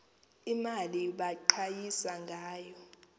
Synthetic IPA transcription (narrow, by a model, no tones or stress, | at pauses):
imaliɓaǃʰajisaŋɡʱaːjɔ